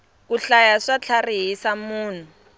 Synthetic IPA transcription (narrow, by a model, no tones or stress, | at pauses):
kuɬajaʂat͡ɬʰariɦisamuːn̤u